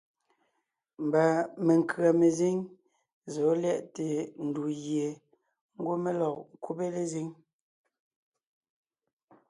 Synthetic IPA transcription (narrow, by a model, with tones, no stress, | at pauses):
m̩˨ba˨me˨ŋ˨kɰa˨me˨zi˦ŋ | zo˨˦lɛ˦˨ʔte˨n̩˨du˨ɣje˨ | ŋ̩˦ɡo˦me˦lɔ˨ku˦pe˦le˦zi˦ŋ